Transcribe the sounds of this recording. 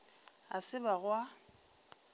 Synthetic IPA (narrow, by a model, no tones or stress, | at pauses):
asɪbaɣwa